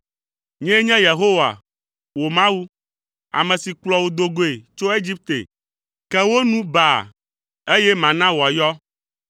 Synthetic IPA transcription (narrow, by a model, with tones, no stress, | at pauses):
ɲɛ̃˦ɲɛ̃˦je˨ɦo˦wa̰˨ | wo˨mã˦wu˦ | a̰˨mɛ̃˨si˨k͡plɔ˨wo˨d̪o˨ɡo˦e˨t͡ʃo˦e˦d͡ʑi˦p̚t̪ḛ˨ | kɛ˦wo˦nũ˦ba˨ | e˦jɛ˦mã˨nã˦wo˨a˨jɔ˦